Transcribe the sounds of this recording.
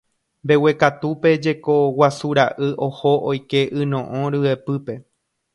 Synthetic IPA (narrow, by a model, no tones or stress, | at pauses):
mbe̞we̞kat̪upe̞d͡ʒe̞ko̞wasuɾaʔɨʔo̞hoʔojke̞ʔɨnõʔõɾɨe̞pɨpe̞